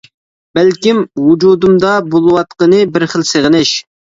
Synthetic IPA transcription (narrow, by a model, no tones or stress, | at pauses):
b̥ælkʲimwud͡ʒud̪umd̪ɑbolˠwɑt̪qənɨbɪɾχəlseʁənɪʃ